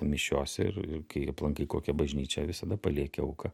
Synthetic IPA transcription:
mʲɪʃʲoːsʲɛɪ̰rɪ̰rkɐɪɐplˠɐŋkɐɪkoːkʲɛbɐʒʲnʲiːt͡ʃʲɛʋʲɪsɐd̪ɐpɐlʲiɛkʲɛɐʊkɐ

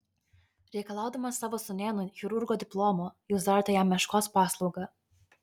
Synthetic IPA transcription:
ɾʲɛɪkɐlˠɑˑʊd̪ɐmɐsːɑːʋoːsʊnʲeːnʊxʲʊɾʊɾɡoːd̪ʲɪplˠoːmoːjʊzd̪ɐɾt̪ɐjæmːʲɛʃkoːspɑːslˠɒʊɡɐ

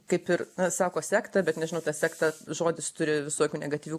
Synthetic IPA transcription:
kɐɪpɪrnɐsɑːkoːsʲæːkt̪ɐbʲɛt̪nʲɛʒʲɪnɐʊt̪ɑsʲæːkt̪ɑʒoːd̪ʲɪst̪ʊɾʲɪʋʲɪsoɔkʲuːnʲɛɡɐt̪ʲiːʋʲuː

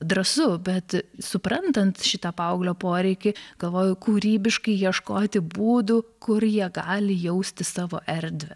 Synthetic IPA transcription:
d̪ɾɐsʊbʲɛt̪sʊpɾɐnt̪ɐnt̪ʃʲɪt̪ɐpɐʊɡlʲoːpoːɾʲɛɪkʲɪɡ̥ɐlˠʋoːjʊkuːɾʲiːbʲɪʃkɐɪjiɛʃkoːt̪ʲɪbuːd̪ʊkʊrjiɛɡɑːlʲɪjɛʊsʲt̪ʲɪsɑːʋo̰ːʔɛɾʲd̪ʲʋʲɛ

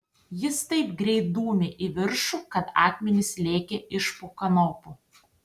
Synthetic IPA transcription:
jɪst̪ɐɪpɡɾʲɛɪd̪uːmʲɪʔɪʋʲɪɾʃuːkɐt̪ɑ̰ːkmʲɛnʲɪslʲeːkʲɛʔɪʃpʊkɐnoːpu

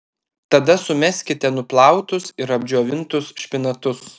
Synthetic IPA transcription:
t̪ɐd̪ɐsʊmʲɛsʲkʲɪt̪ʲɛnʊplˠɑˑʊt̪ʊsɪɾɐbʲd͡ʒʲuɔʋʲɪnt̪ʊsʃʲpʲɪnɐt̪ʊs

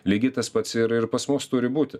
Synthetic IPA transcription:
lʲiːɡʲɪt̪ɐspɐt̪sɪɾɪɾpɐsmʊst̪ʊɾʲɪbuːt̪ʲɪ

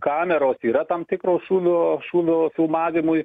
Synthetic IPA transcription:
kɑːmʲɛɾoːsiːɾɐt̪ɐmt̪ʲɪkɾoːʃuːʋʲoːʃuːʋʲoːfʲɪlˠmɑːʋʲɪmʊj

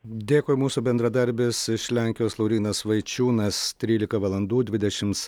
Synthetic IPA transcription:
d̪ʲeːkoːjmuːsubʲɛnd̪ɾɐd̪ɐɾʲbʲɪsɪʃlʲæˑŋʲkʲɪjoːslˠɐʊɾʲiːnɐsʋɐɪt͡ʃʲuːnɐst̪ʲɾʲiːlʲɪkɐʋɐlˠɐnd̪uːd̪ʲʋʲɪd̪ʲɛʃʲɪms

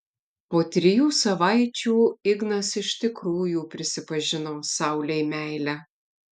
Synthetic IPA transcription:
poːt̪ʲɾʲɪjuːsɐʋɐɪt͡ʃʲuːɪɡnɐsɪʃt̪ʲɪkɾuːjuːpʲɾʲɪsʲɪpɐʒʲɪnoːsɑˑʊlʲɛɪmʲæɪlʲæ

